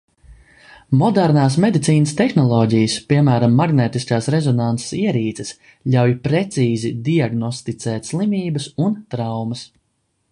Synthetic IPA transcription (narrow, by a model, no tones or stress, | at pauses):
mɔd̪æɾnaːs̬med̪it̪siːnəst̪ɛxnɔlˠɔːɟijəspiɛmæːɾamːaɡneːt̪iskaːsɾezɔnant̪se̥siɛɾiːt̪ses | ʎʲawjpɾɛt̪siːzid̪iaɡnɔst̪it̪sɛːt̪ʲslˠimiːbɐsunt̪ɾawmɐs